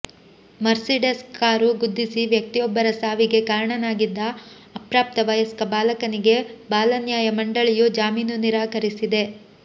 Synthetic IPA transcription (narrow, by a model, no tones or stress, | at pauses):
mɐɾsiɖeskaːɾuɡud̪ːisiʋjɐk̚t̪ijɔbːɐɾɐsaːʋiɡe̞kaːɾɐɳɐnaːɡid̪ːɐː | pɾaːp̚t̪ɐʋɐjɐskɐbaːlɐkɐniɡe̞baːlɐnjaːjɐmɐɳɖɐɭijud͡ʒaːmiːnuniɾaːkɐɾisid̪e̞